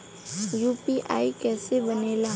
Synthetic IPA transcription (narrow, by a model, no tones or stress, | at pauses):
juːpiʔa̰ːikɛːsebɐneːlaː